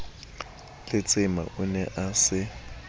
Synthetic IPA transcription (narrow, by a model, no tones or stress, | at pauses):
lɪt͡sʼɪma̰ʔʊnɛʔasɪ